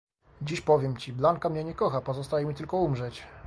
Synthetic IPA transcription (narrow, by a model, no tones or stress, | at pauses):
d͡ʑiɕpɔvʲjɛmt͡ɕiblaŋkamɲɛɲɛkɔxapɔzɔst̪ajɛmʲit̪ɘlkɔumʐɛt͡ɕ